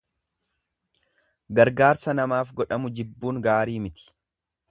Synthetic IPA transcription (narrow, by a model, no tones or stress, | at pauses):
ɡɐɾɡaːɾsɐnɐmaːfɡɔᶑɐmʊd͡ʒɪbːuːŋɡaːɾiːmɪt̪ɪ̥